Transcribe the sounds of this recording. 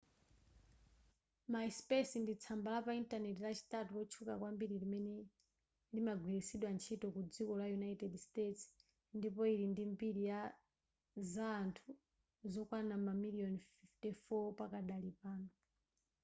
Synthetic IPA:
maispɛsindit͡sʰambalapaintanɛtilat͡ʃi̥tatulɔt͡ʃʰukakwambiɾilimɛnɛ | limaɡwiɾisiɗwant͡ʃʰitɔkud͡zikɔlajunaitɛdstets | ndipɔiɾindimbiɾija | zaːntʰu | zɔkwanamamiliɔnfiftifɔpakaɗalipaːnɔ

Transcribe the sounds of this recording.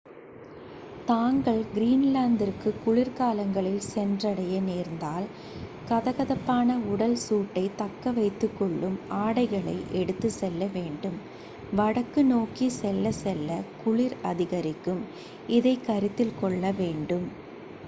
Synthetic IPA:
t̪aːŋɡɐɭɡɪɾiːnlaːnd̪ɪɾkɯkʊɭɪɾkaːlɐŋɡɐɭɪlsɛndrɐɽɐjɐneːɾnd̪aːl | kɐðɐɣɐðɐpːaːnɐʊɽɐlsuːʈːɐɪt̪ɐkːɐʋɐɪt̪ːɯkːɔɭːɯmaːɽɐɪɣɐɭɐ̰ɪʔɛɽɯt̪ːɯsɛlːɐʋeːɳɖɯm | ʋɐɽɐkːɯnoːkisɛlːɐsɛlːɐkʊɭɪɾɐðɪɣɐɾɪkːɯm | ɪðɐɪkːɐɾɪt̪ːɪlkɔɭːɐʋeːɳɖɯm

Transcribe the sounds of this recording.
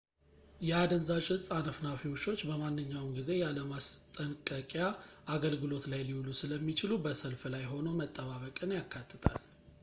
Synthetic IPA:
jɛad̪ənzat͡ʃhɨsʼanəfnafiwʃo̞t͡ʃːbəmanːɨɲːawmɡize̞jaləmast̪ʼənkʼəkʼjaʔaɡəlɡɨlo̞t̪lajliwlusɨləmːit͡ʃɪlubəsəlflajɦo̞nomət̪ʼːəβaβəkʼɨnjakʰːat̪ʰːɨt̪ʼa̰l

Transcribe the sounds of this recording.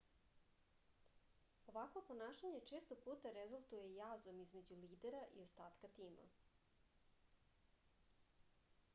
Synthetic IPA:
o̞ʋakʋo̞po̞naːʃaɲet͡ʂeːst̪opuːt̪aɾezulˠt̪uje̞jaːzomizme̞d͡ʑuliːd̪eɾaʔḭo̞st̪aːt̪kat̪iːma̰

